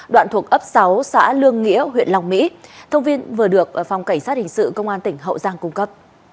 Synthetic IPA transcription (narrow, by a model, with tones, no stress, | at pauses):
ɗwa̰ː˧˨nt̪ʰu˨˩ək̚ʔə˦˥p̚sa˨˦wsa̰ː˧˥lɨ˧əŋːḭ˧˥əhwḭ˧˨ənla˧˩wŋ͡mmḭ˧˥t̪ʰə˧wŋ͡mvi˧ənvɨ˨˩əɗɨ˨˩ək̚fa˨˩wŋ͡mka˧˩jŋ̟saː˦˥t̚hï˨˩ŋ̟sɨ̰˧˨kə˧wŋ͡mʔaː˧nt̪ï˧˩ŋ̟ɦə̰˧˨wzaː˧ŋkʊ˧ŋ͡mkə˦˥p̚